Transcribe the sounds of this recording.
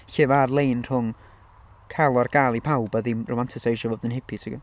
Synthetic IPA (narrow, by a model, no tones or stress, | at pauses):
çɪvarlˠejnr̥ʊŋ | kʰɛlˠɔrɡ̥alˠipʰawbaðimrʊmantʰɪsejʃɔvɔːdɪnhɪpʰitʰɪɡɔ